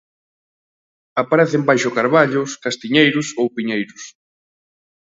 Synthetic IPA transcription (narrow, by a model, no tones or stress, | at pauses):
apaɾɛθembajʃʊkaɾβaʎʊskast̪iɲejɾʊsowpiɲejɾʊs